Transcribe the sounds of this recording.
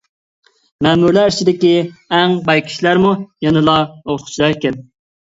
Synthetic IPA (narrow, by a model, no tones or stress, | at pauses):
mɛːmuɾlæɾt͡ʃʰid̪ɪkʲiɛŋbɑjkʰʲi̥ʃlæɾmujɛnɨlˠɑoχʊ̥t͡ʃʰlˠɑjkʲɛl